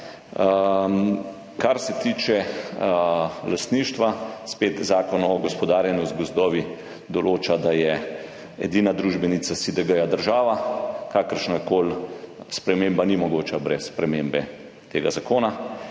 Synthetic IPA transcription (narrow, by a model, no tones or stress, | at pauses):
kaɾsɛt̪iːt͡ʃɛ | last̪niːʃt̪ʋaspeːt̪zaːkɔnɔɡɔspɔd̪aːɾjɛnɔzt̪ɡɔzd̪ɔːʋi | d̪ɔloːt͡ʃad̪ajɛ | ɛ̰d̪iːnad̪ɾuːʒbɛnit̪sasid̪əɡəjad̪əɾʒaːʋakaːkəɾʃnakoːlspɾɛmeːmbanimɔɡoːt͡ʃabɾɛsspɾɛmeːmbɛ | t̪eːɡazakoːna